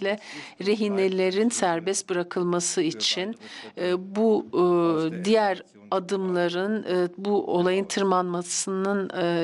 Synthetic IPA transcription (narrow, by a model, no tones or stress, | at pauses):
lʲɛɾeɦinelʲe̞ɾinsæɾbɛst̪bɯɾakʰɯlˠmasɯit͡ʃʰin | bu | d̪ijæɾ | ad̪ɯmlˠaɾɯnbuʔo̞lˠajɯnt̪ʰɯɾmanmasɯnɯn